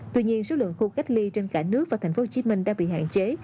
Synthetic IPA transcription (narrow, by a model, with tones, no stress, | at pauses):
t̪wi˧ɲi˧ənso˨˦lwə̰˧˨nxu˧ka˦˥jk̟̚li˧t͡ɕe˧nkaː˧˩nɨ˦˥ək̚vaː˨˩t̪ʰa˨˩ŋ̟o˦ho˨˩t͡ɕi˨˦mï˧ŋ̟ɗaː˧ŋɓḭ˧˨ha̰ː˧˨nt͡ɕe˨˦